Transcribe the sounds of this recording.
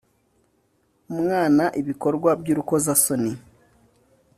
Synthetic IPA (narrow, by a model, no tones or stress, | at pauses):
mŋaːnaʔiβiko̞ɾɡwabjuɾuko̞zasoni